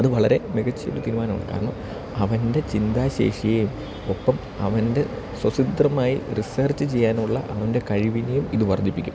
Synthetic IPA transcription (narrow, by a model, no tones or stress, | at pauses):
ɐðɨʋɐɭɐɾe̞meɡɐt͡ɕːjɐ̰ʋilɐt̪iɾumaːnɐmɐ̰ɭkːa̰ːrɐɳṵ | ɐʋɐnde̞t͡ɕind̪aːɕḛːʂijejum | o̞pːɐm | ɐʋɐnde̞ | swɐsid̪rɐmaːjiriseːrt͡ɕːɨt͡ɕe̞jːaːnuɭːɐ̰ʔɐʋɐnde̞kɐɻiʋinejumiðɨʋɐrd̪ipːikʲːu̥̰m